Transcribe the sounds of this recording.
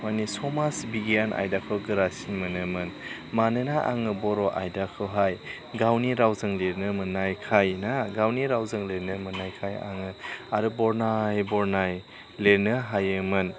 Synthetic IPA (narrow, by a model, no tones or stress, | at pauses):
manisɔmasbiɡijanʔa̰jdakʰɯwɡɯɾasinmɯnɯmɯn | manɯnaʔa̰ŋɯbɔɾɔʔa̰jdakʰɯwɦaj | ɡawniɾawzɯŋleɾnɯmɯnːajkʰajnaɡawniɾawzɯŋleɾnɯmɯnajkʰaja̰ŋɯaɾɯbɔɾnajbɔɾnaj | leɾnɯɦajɯmɯn